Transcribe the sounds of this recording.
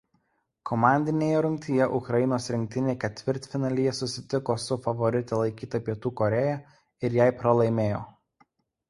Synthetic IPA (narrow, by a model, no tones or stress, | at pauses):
kʰɔmɑˑnʲd̪ʲɪnʲeːjɛɾʊŋʲkʲt̪ʲɪjɛʔʊkɾɐjɪnoːsɾʲɪŋʲk̚ʲt̪ʲɪnʲeːkʲɛt̪ʲʋʲɪɾʲt̪ʲfʲɪnɐlʲijɛsʊsʲɪt̪ʲɪkoːsʊfɐʋɔɾʲɪt̪ʲɛlˠɐɪkʲiːt̪ɐpʲiɛt̪uːkɔɾʲɛjɛ | ɪɾjɛɪpɾɐlˠɐɪmʲeːjo̰ː